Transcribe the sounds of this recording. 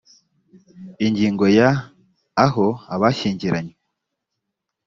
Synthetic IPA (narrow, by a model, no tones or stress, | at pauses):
iɲɟiːŋɡo̞jaː | ɦo̞aβaʃiːɲɟiɾaɲwe